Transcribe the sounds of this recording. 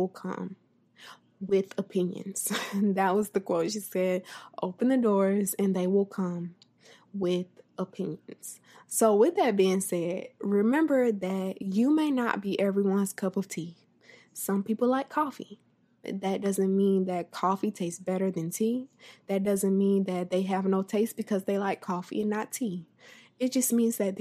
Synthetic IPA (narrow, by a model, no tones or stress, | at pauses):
wɪlˠkʰʌ̰̃m | wɪðəpʰɪ̃njɨ̰̃nz̥ðɨt̚wʌzðɨkʰw̥oʃisɛdʔo̰ʊpɨ̃n̩ðɨdɔɹzɨ̃nðeɪwɪlˠkʰʌ̃m | wɪðʔəpʰɪ̃njɨ̃nz̥ | soʊwɪðɨt̚b̥iɪ̃ŋsɛt̚ɹɪmɛ̃mbə˞ðɨt͡ʃɨmeɪnə̰t̚b̥iʔɛvɹiwʌ̃nz̥kʰʌpʌv̥tʰi | sʌ̃mpipl̩ˠlaɪkʰːɔfḭ | ðɨt̚d̥ʌzɨ̃nmĩnðɨt̚kʰɔfitʰeɪstsb̥ɛɾə˞ðɨ̃ntʰiðɨt̚d̥ʌzɨ̃nmĩnðɨt̪̚ðeɪɨvnoʊtʰeɪstb̥ɨkʰʌzðeɪlaɪkʰːɔfḭɨ̃nːətʰi | ɨt̚d̥ʒ̥ʌsmĩnzðɨt̪̚ð